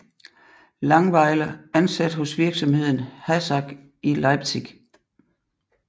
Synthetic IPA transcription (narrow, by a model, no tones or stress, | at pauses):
lɑ̈ŋʋɑ̈ɪləænsæd̥hɔ̽sʋiɐɡ̥sɒ̽mhe̝ð̞̰ˠn̩hæsɑ̈ɡ̥ | ʔilɑɪb̥sʰiɡ̥